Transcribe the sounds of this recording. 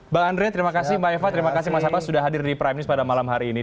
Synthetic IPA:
baandɾiɲat̪əɾimakasɪhmaɛfat̪əɾimakasɪmas̬apasudahɦadɪrdipɾajmnɪspadamalamɦaɾiːni

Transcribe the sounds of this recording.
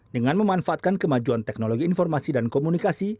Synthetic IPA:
dəŋanməmanfaʔat̪̚kankəmad͡ʒuant̪ɛk̚noloɡiːnfɔrmasidankomunikasi

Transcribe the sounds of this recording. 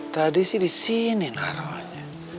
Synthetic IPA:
t̪adisidisinina̰ɾɔɲa

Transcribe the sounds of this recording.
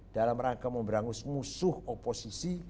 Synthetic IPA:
d̥alamrakaməmbəɾaŋʊsmusʊhoposisi

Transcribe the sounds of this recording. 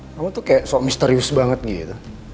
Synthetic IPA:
kamut̪ukajaʔsomist̪əɾiusbaŋət̪̚ɡit̪u

